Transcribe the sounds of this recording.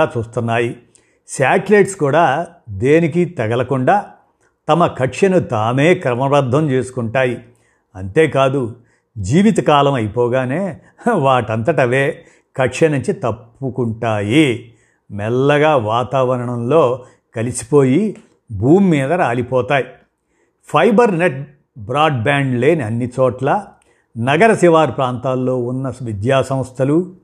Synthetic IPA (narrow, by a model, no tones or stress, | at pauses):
aːt͡ʃuːst̪unːaːji | saːʈleːʈskuːɽaː | d̪e̞ːnikit̪ɐɡɐlɐkuɳɖaː | t̪ɐmɐkɐʈʂɐnut̪aːme̞ːkɾɐmɐbɐɾd̪ʱɐmt͡ʃeːsu̥kuɳʈaːji | ɐnt̪e̞ːkaːd̪u | d͡ʒiːʋit̪̬ɐkaːlɐmɐjipɔːɡaːne̞ː | ʋaːʈɐnt̪ɐʈɐʋeː | kɐʈʂɐnuɲt͡ʃit̪ɐpːukuɳʈaːji | mɛlːɐɡaːʋaːt̪aːʋɐɾɐɳɐmlo̞ː | kɐlisi̥po̞ːji | bʱuːmːiːd̪ɐɾaːlipɔːt̪aːji | pʰɐjbɐɾneʈ̚ | bɾaːɖ̚baːɳɖle̞ːniɐnːit͡ʃɔːʈlɐ | nɐɡɐɾɐsiʋaːɾpɾaːnt̪aːlːo̞ːunːɐʋid̪jaːsɐ̃m̃ɐst̪ʰɐlu